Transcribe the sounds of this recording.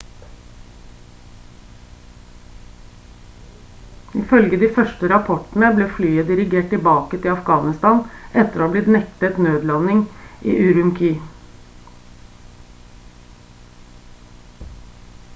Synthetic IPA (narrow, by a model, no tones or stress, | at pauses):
ɪfœlɡəd̪iːfœʃʈəɾɑpʰɔʈn̩əbleːflyːəd̪ɪɾɪɡeːʈɪbɑːkət̪ʰɪlɑfɡɑːnɪst̪ɑːnʔɛt̪əɾoːɑːbliːd̪nɛkt̪ət̪nøːd̪lɑnɪŋʔḭːʔʉɾʉmkʰiː